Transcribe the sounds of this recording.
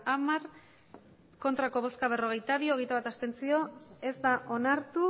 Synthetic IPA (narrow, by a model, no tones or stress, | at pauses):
amaɾ | ko̞nt̪ɾako̞βo̞skaβ̞e̞ro̞ɣ̞e̞jt̪aβ̞io̞ɣe̞jt̪aβat̪ast̪e̞nt͡sio̞e̞zd̪aʔo̞naɾt̪u